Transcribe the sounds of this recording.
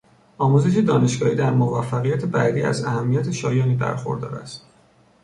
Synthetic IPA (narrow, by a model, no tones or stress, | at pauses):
ɒːmuːze̞ʃ̬ed̪ɒːne̞ʃɡɒːhiːd̪æɾmovæfːæɣijæt̪ʰe̞bæd̪iːæ̰zæhæmːijæt̪ʰe̞ʃɒːjɒːniːbæ̰ɾxo̞̰ɾd̪ɒ̰ːɾæ̰st̪